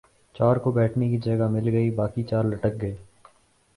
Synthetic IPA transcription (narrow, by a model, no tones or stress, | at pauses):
t͡ʃaːɾkobɛːʈʰnekid͡ʒɐɡamɪlɡəibaːkit͡ʃaːɾləʈək̚ɡəeː